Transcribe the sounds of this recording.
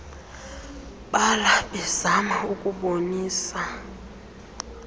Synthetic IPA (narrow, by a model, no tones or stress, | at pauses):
ɓalaɓɛzamaukʼuɓoniːsa